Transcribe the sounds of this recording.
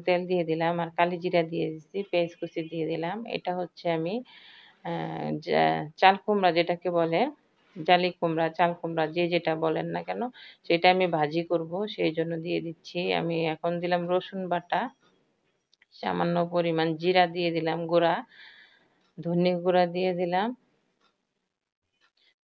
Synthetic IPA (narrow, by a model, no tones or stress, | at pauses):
t̪eld̪ijed̪ilamaɾkalid͡ʑiɾad̪ijed̪isipeskusid̪ied̪ilamḛjʈaɦotːɕʰeami | t͡ɕalkomɾad͡ʑeʈakebɔlen | d͡ʑalikomɾat͡ɕalkomɾad͡ʑed͡ʑeʈabɔlenːakɛnoʃejʈaamibʱad͡ʑikoɾboʃejd͡ʑonːod̪ijed̪itːɕʰia̰miɛkʰond̪ilamɾoʃonbaʈːa | ʃa̰manːopoɾimand͡ʑiɾad̪ijed̪ilamɡuɾa | d̪ʱonːoɡuɾad̪ijed̪ilam